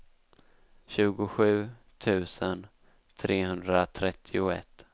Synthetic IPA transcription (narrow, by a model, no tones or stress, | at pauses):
ɕʉ̟ːɡʊɧʉ̟ː | t̪ʰʉ̟ːsən | t̪ʰɾʔeːhɵnd̪ɾat̪ʰɾɛt̪ʰːɪʊɛ̰t̪ː